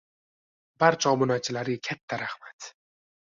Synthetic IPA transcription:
baɾt͡ʃʰɒmʊnat͡ʃʰɪlaɾɪɡakʲʰat̪ʰːaɾahmat̪

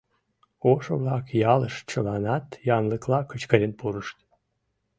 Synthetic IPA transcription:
oʃo̰βlɑkjɑləʃt͡ɕəlɑnɑt̪jɑnləklɑkət͡ɕkəɾʲənpuɾəʃt̪

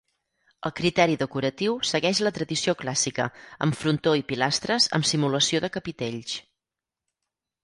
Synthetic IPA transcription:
ə̰lˠkɾit̪ɛɾiðəkuɾət̪iwsəɣɛʃlət̪ɾəðisioklasikə̰ə̰ɱfɾunt̪oipilast̪ɾəzə̰msimuləsioðəkəpit̪eʎs

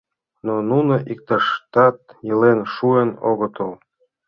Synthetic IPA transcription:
nonunoʔik̚t̪ɑʃt̪ɑt̪jɤlenʃuenoɣət̪əl

